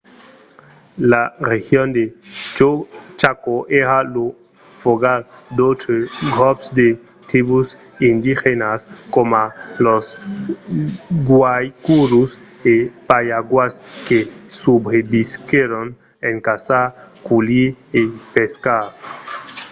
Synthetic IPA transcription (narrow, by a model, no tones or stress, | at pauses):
larexjond̪et͡ʃot͡ʃakoʔehalo | foɡaɾ | d̪ot̪ɾeɡɾɔpsd̪e | t̪iβus | ind̪ixenaskomalos | ɡwajkuɾus | epajaɡwaskesubɾebiskeɾon | eŋkasakuliepeskaɾ